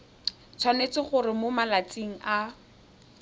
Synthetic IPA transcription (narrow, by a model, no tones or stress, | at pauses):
t͡sʰwanet͡sɪχʊrɪmomalat͡siŋ̩ʔa